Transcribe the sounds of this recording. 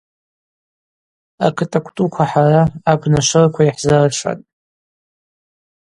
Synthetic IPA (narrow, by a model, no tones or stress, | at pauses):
a̰kʰɨtʼakʷʰtʼukʷʰaħaraːbnaʂɨrkʷʰaiħzaraʂʰʷa̰tʼ